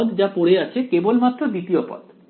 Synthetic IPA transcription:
d̪d͡ʑapoɽeat͡ɕʰekebolmat̪ːɾod̪it̪iopɔ̰d̪

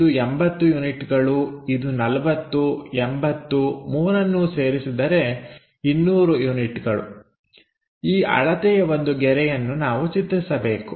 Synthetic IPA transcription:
uembɐt̪ːujuːniʈɡɐɭuid̪unɐlɐʋɐt̪ːuembɐt̪ːumuːɾɐnːuse̞ːɾisid̪ɐɾe̞ | inːuːɾujuniʈɡɐɭṵ | iːʔɐ̰ɭɐt̪ɛjɐʋo̞nd̪uɡɛɾɛjɐnːunaːʋut͡ʃit̪ːɾisɐbe̞ːku

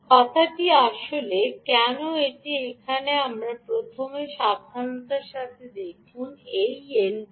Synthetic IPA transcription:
kɔt̪ʰaʈiaʃolekɛnoeʈiekʰaneamɾapɾot̪ʰomeʃad̪ʱanot̪aɾʃat̪ʰed̪ekʰunejen

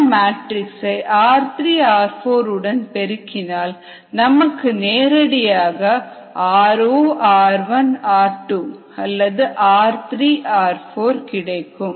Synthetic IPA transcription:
maːʈɾɪksɐɪʔaːɾt̪ɾiːaːɾfoːɾɯɽɐnpɛɾɯkːɪnaːl | nɐmɐkːɯneːɾɐɽɪjaːɣɐ | aːɾoːʔaːɾʋɐnaːɾʈːuː | ɐlːɐðɯʔaːɾt̪ɾiːʔaːɾfoːɾkɪɽɐɪkːɯm

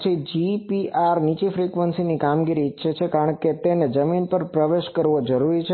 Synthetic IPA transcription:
t͡ʃʰed͡ʒipiaɾnit͡ʃefɾikʋənsinikamɡiɾiːtːʃʰet͡ʃʰekaɾəɳket̪ened͡ʒəminpəɾpɾəʋeʃkəɾʋod͡ʒəɾuɾit͡ʃʰe

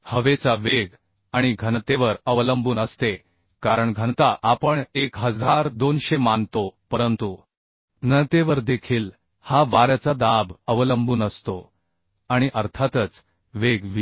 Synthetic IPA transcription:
həʋet͡saʋeɡ | aɽ̃iɡʱənt̪eʋəɾəʋləmbuːnəst̪e | kaɾəɳɡʱənt̪aʔapəɳekɦəd͡zʱaɾd̪onɕemant̪opəɾənt̪u | nət̪eʋəɾd̪ekʰiːl | haʋaɾat͡sad̪abəʋləmbuːnəst̪o | aɽ̃iʔəɾt̪ʰat̪ət͡s | ʋeɡʋ

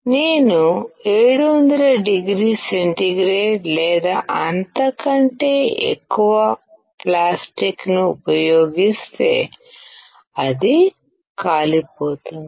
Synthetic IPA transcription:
neːnue̞ːɽuʋond̪ɐlɐɖiɡɾiːseɳʈiɡɾeːʈlɛːd̪aːʔɐnt̪ɐkɐɳʈe̞ːḛkːuʋɐ | plaːsʈiknuupɐjoːɡist̪e̞̰ː | ɐd̪i | kaːlipo̞ːt̪und̪i

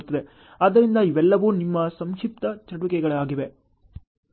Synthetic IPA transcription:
t̪ːɐd̪e̞ | ɐːd̪ːɐɾind̪ɐiʋɛlːɐʋuːnimːɐsɐmʂip̚t̪ɐt͡ʃɐʈuʋikɛɡɐɭɐaːɡiʋe

